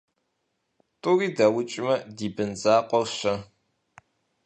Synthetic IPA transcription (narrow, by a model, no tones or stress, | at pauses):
tʼʊriːdɐwʊt͡ʃʼɪmɐdiːbɨnzaːqʷʼɔwɕɐ